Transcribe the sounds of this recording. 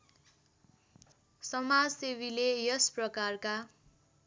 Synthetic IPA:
sʌmad͡zsewilejʌsprʌkarka

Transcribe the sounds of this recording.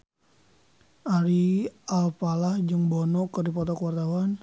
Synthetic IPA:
ʔaɾiʔalpalahd͡ʒɨŋbɔnɔkərdipɔt̪ɔkuwart̪awan

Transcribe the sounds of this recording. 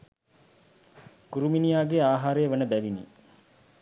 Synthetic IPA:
kuɾuminijaːɡeaːɦaːɾejːʋənəbæʋinḭ

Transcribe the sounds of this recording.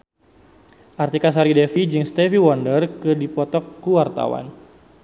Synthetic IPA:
ʔart̪ikas̬aɾidɛfid͡ʒɨŋst̪ɛfiwɔndərkɨdipɔt̪ɔkːuwart̪a̰wa̰n

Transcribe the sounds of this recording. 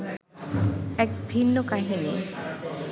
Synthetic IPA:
ɛk̚bʱinːokaɦini

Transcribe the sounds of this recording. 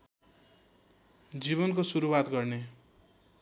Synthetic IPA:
d͡ziβʌnkosuɾuwat̪ɡʌrne

